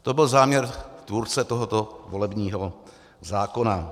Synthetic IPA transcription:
t̪o̞bɪlzaːmɲɛɾt̪vuːɾt͡sɛt̪oɦot̪o̞vo̞lɛbɲiːɦo | zaːko̞na

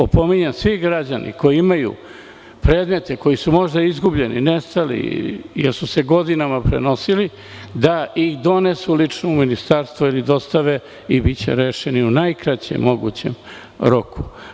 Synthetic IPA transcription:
opo̞miɲemsʋiɡɾad͡ʑanʔḭko̞jiimajṵ | pɾe̞ːd̪me̞t̪e̞ko̞jisumo̞ʒd̪aizɡubʎe̞nḭnest̪alḭjeɾsuse̞ɡo̞d̪inamapɾḛno̞sili | d̪aixd̪o̞ne̞sulit͡ʂnouminist̪aɾst̪voilid̪o̞st̪aʋe | ibit͡ɕḛɾeːʃe̞niunajkɾat͡ɕḛmːo̞ɡṵt͡ɕḛm | ɾo̞ku̥

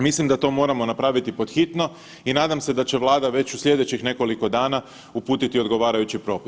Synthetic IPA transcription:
mislimd̪at̪o̞mo̞ːɾamo̞napɾaʋit̪ipo̞d̪xit̪no̞ | inaːd̪amse̞d̪at͡ɕe̞ʋlˠaːd̪aʋe̞t͡ɕuslʲʎʲje̞d̪e̞t͡ɕixne̞ko̞liko̞d̪aːna | upuːt̪it̪io̞d̪ɡo̞ʋaːɾajut͡ɕipɾo̞ːpi̥s

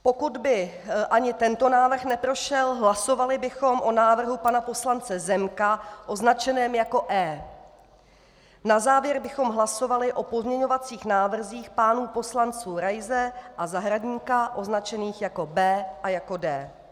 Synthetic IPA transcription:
po̞kud̪bɪ | ʔaɲɪt̪ɛnt̪o̞naːvr̩xnɛpɾo̞ʃɛlɦlaso̞valɪbɪxo̞mʔo̞naːvr̩ɦupanapo̞slant͡sɛzɛmkaʔo̞znat͡ʃɛnɛːmjako̞ʔɛː | nazaːvjɛɾbɪxo̞mɦlaso̞valɪʔo̞po̞zmɲɛɲo̞vat͡siːxnaːvr̩ziːxpaːnuːpo̞slant͡suːɾajzɛʔazaɦɾadɲiːkaʔo̞znat͡ʃɛniːxjako̞bɛːʔajako̞dɛː

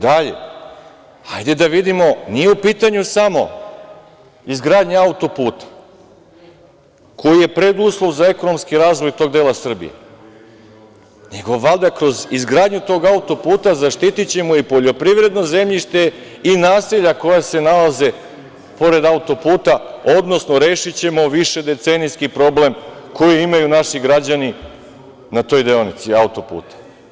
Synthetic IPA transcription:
d̪aʎe̞̰ | ajd̪e̞d̪aʋid̪imo̞nijeupiːt̪aɲusamo̞̰ | izɡɾaːd̪ɲeaut̪o̞puːt̪ḁ | kʰo̞jije̞pɾe̞d̪uːslˠo̞ʋzae̞kono̞mskiɾaːzʋo̞jt̪o̞ɡd̪e̞ːlasr̩bḭjḛ | neɡo̞ʋalˠd̪akɾo̞zizɡɾaːd̪ɲut̪o̞ːɡaut̪o̞puːt̪azaʃt̪it̪it͡ɕe̞muipo̞ʎo̞pɾiʋɾe̞d̪no̞ze̞mʎiʃt̪e̞ | inaːsiʎako̞jase̞nalaze̞ | po̞ɾe̞d̪aut̪o̞puːt̪ao̞d̪no̞sno̞ɾe̞ːʃit͡ɕe̞mo̞ʋiʃe̞d̪e̞t̪senijskipɾo̞ble̞mko̞jiimajunaʃiɡɾad͡ʑani | nat̪o̞ːjd̪eonit̪siaut̪o̞pṵːt̪ḁ

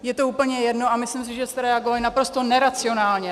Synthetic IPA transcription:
jɛt̪o̞uːpl̩ɲɛjɛdno̞amɪslɪms̬ɪʒɛst̪ɛɾɛaɡovalɪnapɾo̞st̪o̞nɛɾat͡sɪo̞naːlɲɛ

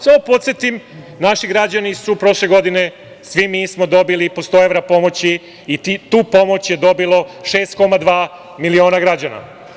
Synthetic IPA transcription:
saopo̞t̪sjet̪im | naʃiɡɾad͡ʑanisupɾo̞ʃleɡo̞d̪ine̞ | sʋimismo̞d̪o̞bilipost̪oeʋɾapo̞mo̞t͡ɕiː | t̪uːpo̞mo̞t͡ɕje̞d̪o̞bilˠo̞ʃe̞ːst̪̚ko̞mad̪ʋaː | milio̞ːnaɡɾad͡ʑana̰

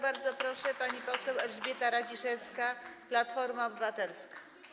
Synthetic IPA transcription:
baɾd̪zɔpɾɔʂɛpaɲipɔsɛwɛlʐbʲjɛt̪aɾad͡ʑiʂɛfskaplat̪fɔɾmaɔbɘvat̪ɛlskḁ

